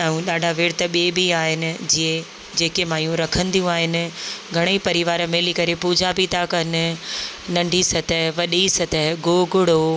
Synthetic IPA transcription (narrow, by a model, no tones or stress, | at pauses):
aːũɗaːɖʱaʋɪːɽt̪əɓiebʱiaːɦɪnɪ̆d͡ʑiẽ | d͡ʑeːkemãːijũɾɐkʰə̃nd̪ijũaːɦɪnɪ̆ɡʱɐɽ̃eipɐɾɪʋaːɾmeːlikɐɾepuːd͡ʑʱapit̪akɐnɪ̆nɐ̃ɳɖʱisɐt̪əɦʋɐɗisɐt̪əɦɡoːɡʱʊɽo